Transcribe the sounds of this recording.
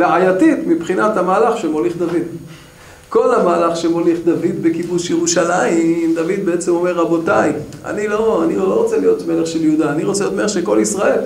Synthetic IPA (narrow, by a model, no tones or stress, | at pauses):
veʕajatit̪mipχinathamaːlaχʃemo̞liχd̪avid̪ | ko̞lamaːlaχʃemo̞liχd̪avid̪be̞kibuʃjeʁuʃalaimd̪avid̪̚beet͡semo̞me̞ʁːabo̞taja̰nilo̞anioloʁot͡selijo̞t̪me̞leχʃe̞ljud̪aːniʁot͡sejot̪meleʃeko̞lisʁae̞l